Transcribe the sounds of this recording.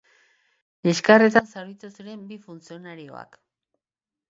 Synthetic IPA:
iskaret̪ansaɾijt̪usuɾe̞mbifunt͡sio̞naɾio̞̰a̰k

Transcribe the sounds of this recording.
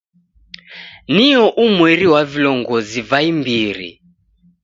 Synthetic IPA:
niɔʔumwɛɾiwavilɔŋɡɔzivaimbiɾḭ

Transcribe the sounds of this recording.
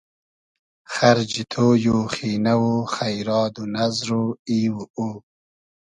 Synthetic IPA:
xaɾd͡ʒit̪ʰoːjoχinawoχajɾɑːd̪unazɾoiːwuu

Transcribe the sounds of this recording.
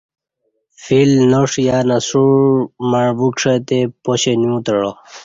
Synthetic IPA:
filnoʂjanasuɻmaɻbukʂet̪epoɕenjũt̪əɻo

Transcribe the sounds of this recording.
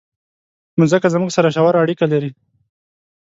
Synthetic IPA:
nʊzəkazmuɡsaɾaʃ̬awaɾaːɽikalaɾi

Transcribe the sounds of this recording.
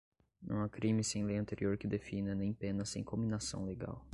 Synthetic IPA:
ṵ̃w̃ɐkɾĩmɪsẽj̃lejɐ̃nt̪eɾioɾkɪd̪efinɐnẽj̃pẽnɐsḛ̃j̃kõminasɐ̰̃w̃leɡa̰w

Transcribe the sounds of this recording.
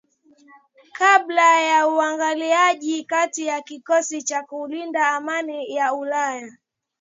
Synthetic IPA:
kaɓlajauaŋɡaliaʄikatijakikɔsit͡ʃakulindaːmanijaulaja

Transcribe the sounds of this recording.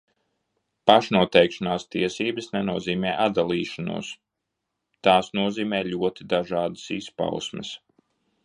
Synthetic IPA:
paʃnuɔt̪ɛjkʃanaːst̪iɛsiːbɨsnɛnuɔziːmɛːʔad̪alˠiːʃanṵɔs | t̪aːsnuɔziːmɛːlʲuɔt̪id̪aʒɑːd̪ɨ̥sispa̰wsmə̰s

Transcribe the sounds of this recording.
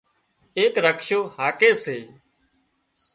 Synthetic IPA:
eːkɾəkʃoːhaːkeːseː

